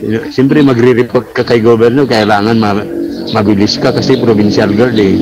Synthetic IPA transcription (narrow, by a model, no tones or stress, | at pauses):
nosɛmpɾɛmɐɡɾɪɾɪpoɾt̪̚kakɐjɡobɛɾnokɐʔɪlaːŋanmɐmɐbɪlɪskakɐsɛpɾobɪnʃalɡaɾd̪ɪiŋ